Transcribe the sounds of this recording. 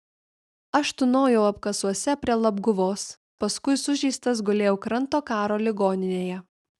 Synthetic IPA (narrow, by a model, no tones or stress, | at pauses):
ɐʃt̪ʊnoːjɛʊɐpkɐsuɔsʲɛpʲɾʲiɛlˠɐbɡʊʋoːs | pɐskʊɪsʊʒʲɛɪst̪ɐs̬ɡʊlʲeːjɛʊkɾɐnˑt̪oːkɑːɾoːlʲɪɡoːnʲɪnʲeːjɛ